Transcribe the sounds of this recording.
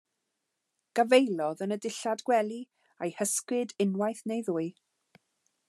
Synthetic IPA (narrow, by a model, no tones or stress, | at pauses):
ɡ̥avejlˠɔðənədɪɬadɡ̥wɛlˠi | ajhəskwɪdɪnwajθnejðʊːɨ